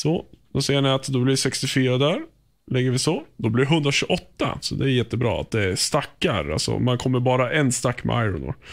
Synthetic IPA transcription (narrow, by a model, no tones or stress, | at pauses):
sɔd̪̥ɔsɛjːəɳɪat̪d̪ɔblɪsɛkst̪ɪfyːɾad̪æɾ | lɪɡːəɾvɪsɔd̪ɔblɪɾɦɵnd̪ɾaɕɵɔt̪ːa̰sɔd̪ɛːɾjɛt̪ːəbɾɑ̰ːa̰t̪̚d̪ɛæɾst̪akːaɾa̰lsɔ̰mankʰɔmːəɾbɑːɾaʔɛnst̪akːmɛ̰ajɾʊ̰nʊ̰ɾ